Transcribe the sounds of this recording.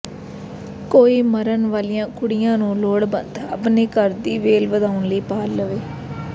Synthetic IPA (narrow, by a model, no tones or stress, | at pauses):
koːiːməɾənʋaːlijãːkʰʊɽɪjãːnũːloːɽbə̰nd̪ə̰pneːkəɾd̪iːʋeːlʋəd̪aːʊnləiːpaːlːəʋeː